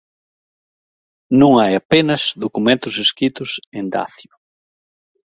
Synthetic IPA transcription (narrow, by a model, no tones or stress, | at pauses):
nõŋajapenɐzðokumẽnt̪ʊseskɾit̪ʊsẽnd̪a̰θjʊ